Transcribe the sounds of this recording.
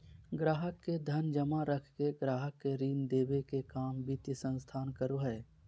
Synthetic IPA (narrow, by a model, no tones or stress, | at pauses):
ɡɾaːɦəkːed̪ʱənd͡ʒəmaɾəkʰkeɡɾaːɦəkːeɾiːnd̪eːʋekekaːmbiːt̪isə̃nst̪ʰaːnkəɾoɦɛː